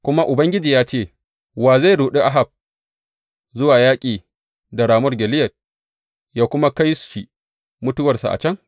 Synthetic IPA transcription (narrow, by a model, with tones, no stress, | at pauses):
kʷʊ˦ma˦ʔʊ˨bɐ˦ŋɡʲɪ˦d͡ʒiː˨jaː˦t͡ʃeː˦˨ | waː˨za˦˨jɽuː˨ɗi˦ʔa˦ɦa˨b̚ | zʊ˦waː˨jaː˦kʲʼiː˨ | da˨ɽaː˨mʊ˦rɡʲɛ˨lɪ˦jɐ˨t̚ | jaː˦kʷʊ˦ma˦ka˦jsʃi˨ | mʊ˦tʊ˦wɐ˨rsa̰˨ʔa̰˨t͡ʃɐ˦ŋ